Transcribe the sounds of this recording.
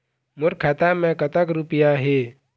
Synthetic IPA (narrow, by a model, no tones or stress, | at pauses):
mʊɾkʰaːt̪amẽkət̪əkɾupɪjaɦeː